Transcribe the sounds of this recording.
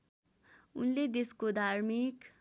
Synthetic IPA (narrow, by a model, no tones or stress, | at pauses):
ṵnled̪eskod̪ʱarmik